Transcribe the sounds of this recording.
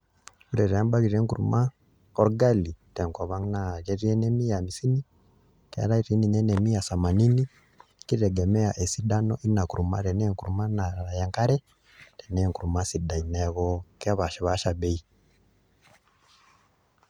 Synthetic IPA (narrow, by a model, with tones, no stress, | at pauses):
u˦ɾɛ˨ɾɛ˨a˦mba˦ɣi˨ɾɛ˦ŋku˨ɾṵ˨ma˦ | ɔ˦ɾɡa˦li˨tɛ˨ŋkwa˨βa˦ŋna˦˨kɛ˦ɾi˦ɛ˦nɛ˦mi˦ja˨mi˨si˦ni˦ | kɛ˦a̰˦ɾa˦i˦ɾi˦ni˨nɛ˦nɛ˨mi˦ja˨sa˨ma˨ni˦ni | ki˦ɾɛ˨ɡɛ˨mɛ˦a˨ʔe˨si˦ɗa˦nɔ˦ʔi˦na˨ku˨ɾu˨ma̰˦ɾɛ˨nɛ˦ŋku˨ɾuma˦na˨aɾa˨ja˨ŋka˦ɾɛ˦ | ɾɛ˨nɛ˦ŋku˨ɾu˨ma˦sida˨inɛ˨ɣɔka˦βa˨ʃɛ˨βa˦ʃa˨ɓɛ˦i˦